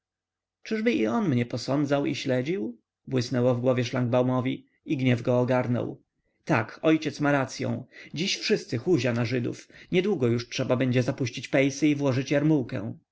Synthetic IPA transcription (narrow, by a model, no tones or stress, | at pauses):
t͡ʂɘʐbɘiɔnmɲɛpɔsɔnd̪zawḭɕlɛd͡ʑiw | bwɘsnɛwɔvɡwɔvʲjɛʂlaŋɡ̚bawmɔvʲi | iɡɲɛvɡɔːɡaɾnɔ̰w | t̪akɔjt͡ɕɛt̪smaɾat̪sʲjɔ̰̃w̃d͡ʑiɕfʂɘst̪sɘxuʑanaʐɘd̪ṵfɲɛd̪wuɡɔjuʂtʂɛbabɛɲd͡ʑɛzapuɕt͡ɕit͡ɕpɛjsɘivwɔʐɘt͡ɕjaɾmuwkɛ̰̃w̃